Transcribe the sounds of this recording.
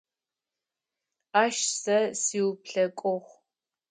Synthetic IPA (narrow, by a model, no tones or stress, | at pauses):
aːʃsɐsiːwpɬɐkʷʼɔχʷ